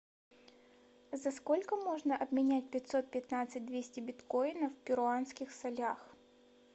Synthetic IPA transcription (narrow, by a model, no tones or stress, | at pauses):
zɐsko̞lʲkəmo̞ʐnəʔɐbmʲɪnʲæt̚ʲpʲɪtʲso̞t̪̚pʲɪt̪nat̪sɨt̚ʲd̪vʲesʲtʲɪbʲɪt̪ko̞jnəfpʲɪɾʊanskʲɪxsɐlʲax